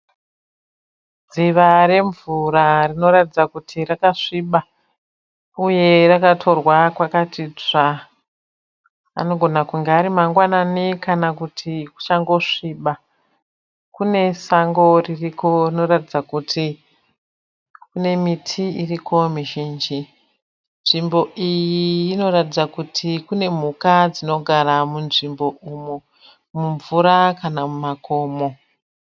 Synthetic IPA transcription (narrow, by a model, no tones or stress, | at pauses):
d͡ziʋaɾe̞ɱvurarino̞ɾatid͡zakutʰirakaʂiːɓa | uje̞rakatʰo̞rwakwakatʰiːd͡za | a̰no̞ɡʱo̞nakuŋɡeaɾimaŋɡwananikʰanakutʰiku̥t͡ʃaŋɡo̞ʂiɓa | kune̞saŋɡo̞ririko̞rino̞ratid͡zakutʰi | kune̞mitʰiirikʰo̞miʒiːnd͡ʒi | nʐimbo̞ijiːno̞ratid͡zakutʰikune̞m̤ukad͡zino̞ɡʱaɾamunʐimbo̞ʔumu | muɱvuɾakanamumako̞ːmo̞